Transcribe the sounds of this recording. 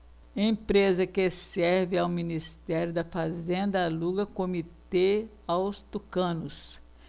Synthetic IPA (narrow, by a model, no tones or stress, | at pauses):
ẽj̃pɾezɐkesɛɾvɪawminist̪ɛɾjʊd̪ɐfazẽnd̪ɐaluɡɐkõmit̪e | awst̪ukɐ̃nʊs